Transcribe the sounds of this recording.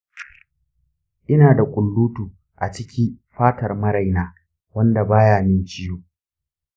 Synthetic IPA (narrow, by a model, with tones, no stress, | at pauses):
ʔɪ˦naː˨da˨kʷʼʊ˨lːuː˦tuː˨ | ʔa˨t͡ʃɪ˦kʲi˦ɸaː˦tɐ˨rmɐ˦ɾa˨jnaː˦ | wɐ˦nda˨baː˦jaː˨mɪ˦nt͡ʃɪ˦joː˦